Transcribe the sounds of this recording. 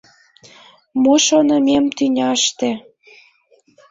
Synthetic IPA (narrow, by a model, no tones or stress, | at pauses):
moʃonə̆memt̪ynʲɑʃt̪e